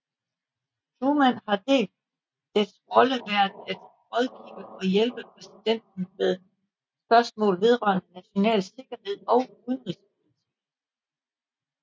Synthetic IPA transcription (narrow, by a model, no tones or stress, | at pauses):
t͡sʰuːmæn̰ɦɑ̈d̥e̝̰ːld̥̚ː | esʁɒ̽ləʋæɐd̥̩æd̥ | ʁɒðˠɡ̥ḭːb̥əɒ̽jelb̥əpʰʁɛsid̥en̰d̥̚n̩meðˠ | sb̥ɶɐsmɔ̰̽ːlʋe̝ðˠʁɶ̰ɐnənæɕo̝nɛ̰ːlse̝ɡ̥ɐhe̝ð̞̰ˠɒ̽ʊuðˠən̩ʁisp̚ʰo̝lit͡sʰḭ